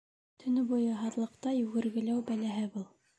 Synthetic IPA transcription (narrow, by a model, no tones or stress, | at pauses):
t̪ʰɵ̆nɘbujɤɦɑðlˠɤ̆qt̪ɑjʉɣɘ̆ɾɡɘ̆læwbælæɦɘbulˠ